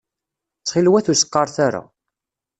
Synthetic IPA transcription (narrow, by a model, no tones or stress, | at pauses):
t͡sːχilwæθusə̥qːɑɾˤθaɾa̰